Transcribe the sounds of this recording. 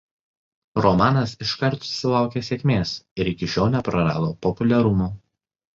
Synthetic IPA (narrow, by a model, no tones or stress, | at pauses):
ɾɔmɑːnɐsɪʃkɐɾt̪sʊ̥sʲɪlˠɑˑʊkʲesʲeːkʲmʲeːsɪɾɪkʲɪʃʲoːʊnʲɛpɾɐɾɑ̰ːd̪oːpɔpʊlʲɛɾʊmuː